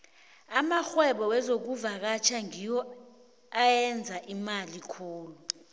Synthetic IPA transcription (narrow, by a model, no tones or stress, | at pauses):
amaxwɛɓɔwɛzok̬uvak̬at͡ʃʰaŋijɔ | ajɛnd͡zʱaʔimalikʰuːlu